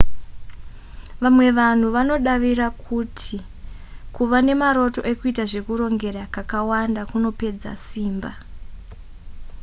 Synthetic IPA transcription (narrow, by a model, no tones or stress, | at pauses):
ʋamwe̞ʋan̤uʋano̞ɗaʋiɾakʰutʰi | kuʋane̞maɾo̞to̞̰ʔe̞kuitaʐe̞kuɾo̞ŋɡe̞ɾakakawandakuno̞pe̞d͡za̰siːmba